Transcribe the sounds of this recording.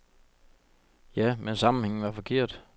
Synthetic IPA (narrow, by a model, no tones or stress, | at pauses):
jæmensɑ̈mn̩heŋn̩ʋɑ̈fɒ̽kʰe̝ɐ̰d̥